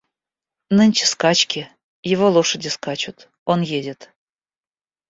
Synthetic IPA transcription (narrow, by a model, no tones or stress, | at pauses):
nənʲt͡ɕə̥skɑt͡ɕkʲi | jɪvolˠoʃə̆dʲeskɑt͡ɕut̪ | onjedʲə̆t̪